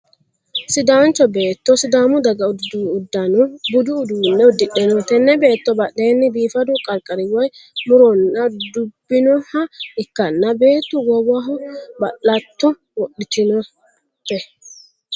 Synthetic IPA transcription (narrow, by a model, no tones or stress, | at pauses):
sɪd̪aːnt͡ʃːɔbe̞ːt̪ːɔsɪd̪aːmʊd̪ɐɡɐʊd̪uːd̪ːɐnɔbʊd̪ʊːd̪uːnːɛʊd̪ːɪɗɛnɔt̪ɛnːɛbe̞ːt̪ːɔbɐɗe̞ːnːɪbiːfɐd̪ʊkʼɐɾkʼɐɾɪwɐjmʊɾɔnːɐd̪ʊbːɪnɔhɐɪkːɐnːɐbe̞ːt̪ːʊɡɔwɐɦɔbɐʔɐt̪ːɔ | wɔʔːɪt̪ɪnɔ | pːɛ